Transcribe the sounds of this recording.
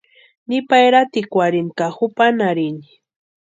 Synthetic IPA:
nipajɾat̪ikʷaɾinkaxupanaɾini̥

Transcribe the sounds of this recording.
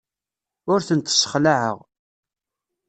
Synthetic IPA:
ʊɾθənt̪ːsːə̥χlaʕə̰ʁ

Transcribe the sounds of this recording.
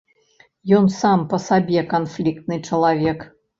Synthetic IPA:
jɔnsampəsabʲɛkanflʲikt̪nɨt͡ʂəlˠavʲɛk

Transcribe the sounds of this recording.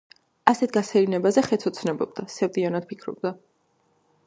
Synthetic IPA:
asɛt̪̚ʰɡasʰɛlinɛbazɛχɛt̪sʰɔt̪sʰnɛbɔb̚d̪asɛvd̪ianad̪̥̚pʰikʰɾɔ̰b̚d̪a

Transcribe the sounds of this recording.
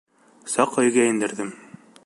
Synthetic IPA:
sɑqɵ̆jɡæɘ̆nd̪ɘ̆ɾðɘm

